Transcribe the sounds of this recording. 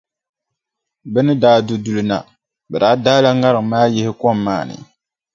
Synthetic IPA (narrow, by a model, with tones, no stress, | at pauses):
bɛ˦nɨ˦daː˦du˨du˨lɨ˨na̰˨ | bɛ˨daː˦daː˦la˦ŋa˦ɾɨ˨ŋ˨maː˦jɪ˦hɪ˦kɔ˦mː˦a̰ː˦˨nɨ̰˨